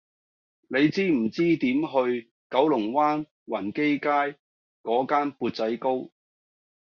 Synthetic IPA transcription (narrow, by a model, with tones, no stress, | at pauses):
ne˨˧jt͡siː˥m̩˨˩t͡siː˥t̪iː˨˥mɦɵ˧ɥ | kɐ˨˥wlʊ˨˩ŋwaː˥n | wɐ˨˩nke˥jkaː˥j | kɔː˨˥kaː˥npuː˧t̚t͡sɐ˨˥jko˥w